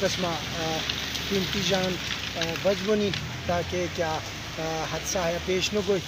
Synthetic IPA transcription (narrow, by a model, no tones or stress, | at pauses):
kɐsma | kint̪id͡ʒaːn | bɐd͡ʒʋɐni | t̪aːkekjaː | ɦɐt̪saːɦjapeːʃnoɡoːi